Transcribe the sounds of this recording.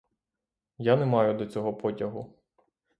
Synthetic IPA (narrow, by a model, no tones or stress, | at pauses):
janɛmɑjʊd̪ɔt͡sʲɔɦɔpɔtʲɐɦʊ